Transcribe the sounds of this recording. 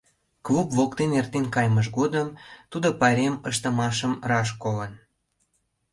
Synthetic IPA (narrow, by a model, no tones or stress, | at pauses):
klupvokt̪enert̪enkɑjməʒɡod̪əmt̪ud̪opɑɾʲeməʃt̪əmɑʃəmrɑʃkolən